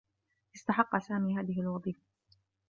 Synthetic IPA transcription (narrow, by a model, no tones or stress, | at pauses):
ʔɪst̪aħɑqːɑsaːmiːɦaːðɪɦɪlwɑðˤiːfḁ